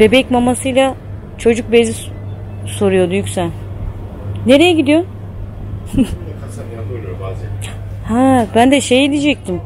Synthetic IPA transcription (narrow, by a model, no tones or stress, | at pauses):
be̞bɛcmamasɯjlˠa | t͡ʃʰo̞d͡ʒuk̚bezi | so̞ɾujo̞d̪ujycsælʲ | ne̞ɾe̞jɛɟid̪ijo̞ | habænd̪ɛʃejilʲid͡ʒɛc̚t̪ʰim